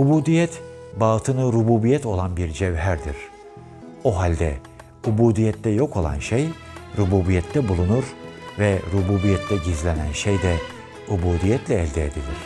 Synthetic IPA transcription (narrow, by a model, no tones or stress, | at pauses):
ubuːd̪ijɛt̪ | baːt̪ʰɯnɯɾubuːbijɛt̪ʰo̞lˠanbiɾd͡ʒɛvɦæɾd̪iɾ̥ | oɦalʲd̪ɛ̰ | ubuːd̪ijɛt̪ːɛjo̞kʰo̞lˠa̰nʃej | ɾubuːbijɛt̪ʰːɛbulˠunuɾvɛɾubuːbijɛt̪ʰlɛɟizlʲenænʃejd̪ɛ | ubuːd̪ijɛt̪ʰlʲɛːlʲd̪ɛed̪ilʲiɾ̝̥